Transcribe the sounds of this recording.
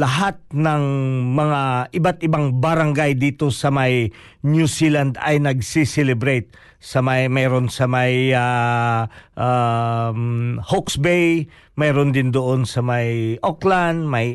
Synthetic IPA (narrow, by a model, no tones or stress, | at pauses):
lɐɦat̪̚nɐŋmɐŋaʔɪbat̪̚ʔɪbaŋbɐɾɐŋɡajd̪iːt̪o̞sɐmaj | njusiland̪ɐ̰jnɐɡ̚sisɛlɛbɾejt̪̚ | sɐmajmɛːɾo̞nsɐmaja | ʔa | hoksbej | mɛːɾond̪ɪnd̪oʔonsɐmajʔokland̪̚mɐj